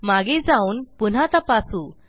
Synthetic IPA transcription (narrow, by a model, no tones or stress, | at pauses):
maɡed͡zauːnpun̤at̪əpasuː